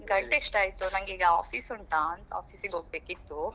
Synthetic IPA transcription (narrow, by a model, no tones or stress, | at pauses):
ɡɐɳʈekʂʈaːjt̪unɐŋɡiːɡɐaːpʰiːsuɳʈaɐnt̪ɐa̰ːfʰiːsiŋɡeɦoːɡ̚bekit̪ːu